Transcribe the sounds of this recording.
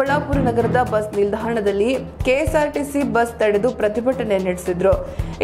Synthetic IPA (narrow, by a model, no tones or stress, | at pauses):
ɐɭaːpuːɾɐnɐɡɐɾɐd̪ɐbɐsnild̪ʱaːɾɐɳɐd̪ɐlːikeːsaːɾʈisibɐst̪ɐɽed̪upɾɐt̪ibɐʈɐne̞niɽisid̪ɾu